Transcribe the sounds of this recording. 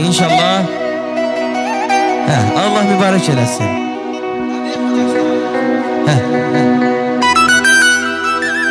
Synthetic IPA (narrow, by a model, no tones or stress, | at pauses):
inʃɑlˠːɑ | hæɑlˠːɑhmybɑːɾæced̪æsḭn | hæ